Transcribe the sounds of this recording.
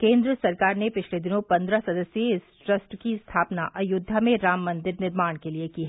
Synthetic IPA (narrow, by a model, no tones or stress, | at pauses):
kẽːnd̪ɾəsɐɾkaːɾnepɪt͡ʃʰled̪ɪnõpɐ̃nd̪ɾasɐd̪əsjeɪsʈɾɐsʈkist̪ʰaːpnaʔɐjʊd̪ʱːamẽɾaːmːɐ̃nd̪ɪɾnɪɾmaːɽ̃keliekiɦɛ